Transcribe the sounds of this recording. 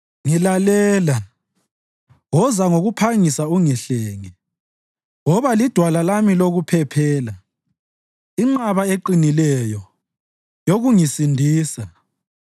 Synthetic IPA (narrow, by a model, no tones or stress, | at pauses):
ŋilalɛːla | wɔzaŋoɣupʰaŋisauŋiɬɛːŋi | ŋɔβalid̥ʱwalalamiloɣupʰɛpʰɛːla | iŋ͡ǃaβaeǃinilɛjɔ | joɣuŋisindʱiːsa